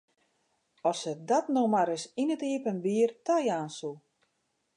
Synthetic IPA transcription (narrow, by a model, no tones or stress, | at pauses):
ɔsədɔtnomaɾɪsinətiəpənbiːərtajaːnsulˠ